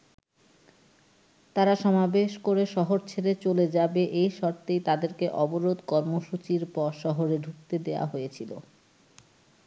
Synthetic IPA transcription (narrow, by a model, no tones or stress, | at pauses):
t̪aɾaʃɔmabeʃkoɾeʃɔɦoɾt͡ɕʰeɾet͡ɕoled͡ʑabeʔejʃɔɾt̪ejt̪ad̪eɾkeʔɔboɾod̪kɔɾmoʃut͡ɕiɾpɔɾʃɔɦoɾeɖʱuk̚t̪ed̪eoa̰ɦojet͡ɕʰilo̰